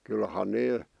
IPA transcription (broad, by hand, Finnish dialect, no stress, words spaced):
kylhɑn neː